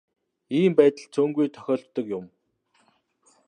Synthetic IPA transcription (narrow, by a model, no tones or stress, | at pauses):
iːmpæːt̪ə̆ɮt͡sʰɵːŋɡujt̪ʰœ̥xʲɔːɬt̪ːə̆kjʊm